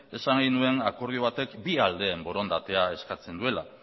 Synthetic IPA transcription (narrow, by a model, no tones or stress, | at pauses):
e̞saŋɡinue̞nako̞ɾð̞joβ̞at̪e̞kbiald̪e̞ːmbo̞ɾo̞nd̪at̪e̞ae̞skat͡se̞nd̪ue̞la